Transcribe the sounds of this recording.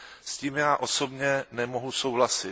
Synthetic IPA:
sciːmjaːʔo̞so̞bɲɛnɛmo̞ɦuso̞wɦlasɪ

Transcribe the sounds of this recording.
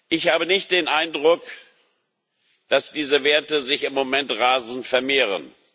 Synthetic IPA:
ʔɪçhaːbənɪçt̚d̥eːnʔaɪndʁʊk | d̥asd̥iːzəveːɐtəzɪçɪmːomɛntʁaːzn̩tfɛɐmeːʁ̞ə̰n

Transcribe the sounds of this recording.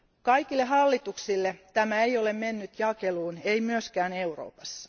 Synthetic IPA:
kɑikilːehɑlːit̪uksilːet̪æmæejolemmenːyt̪jɑkeluːneimyøskæːneuro̰ːpɑsːɑ̥

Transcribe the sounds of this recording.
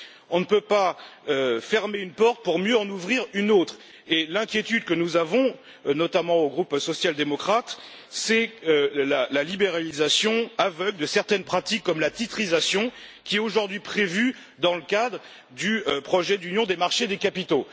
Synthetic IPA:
ɔ̃nəpøpaøfɛʁmeynpɔʁt̪̚puʁmjøɑ̃nuvʁiʁynot̪χ | elɛ̃kʲjet̪yd̪kənuzavɔ̃ | nɔt̪amɑ̃oɡʁupsɔsjald̪emɔkχat̪ | sɛølalalibeʁalizasjɔ̃avœɡld̪əsɛʁt̪ɛnpχat̪ikːɔmlat̪it̪χizasjɔ̃kʲiɛt̪oʒuʁd̪ɥipχevy | d̪ɑ̃ləkad̪ʁ | d̪ypχɔʒɛd̪ynjɔ̃d̪emaʁʃed̪ekapit̪o

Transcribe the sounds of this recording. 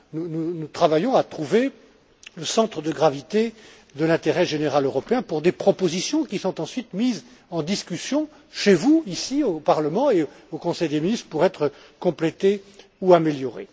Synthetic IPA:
nununut̪χavajɔ̃at̪χuve | ləsɑ̃t̪χəd̪əɡʁavit̪e | d̪əlɛ̃t̪eʁɛʒeneʁaløʁɔpeɛ̃puʁd̪epχɔpozisjɔ̃kʲisɔ̃t̪ɑ̃sɥit̪miz | ɑ̃d̪iskʲysjɔ̃ | ʃevuisiopaʁləmɑ̃e | okɔ̃sɛjd̪eminist̪χpuʁɛt̪χə | kɔ̃plet̪e | uameljɔʁḛ

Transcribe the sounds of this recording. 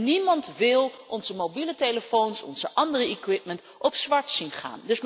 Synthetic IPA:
nimɑntʋɪlˠʔɔnzəmobilətejləfownsɔ̰nz̥əʔɑndərəikwɪtmənt | ʔɔpsʋɑɹtsinχa̰ːndɵs

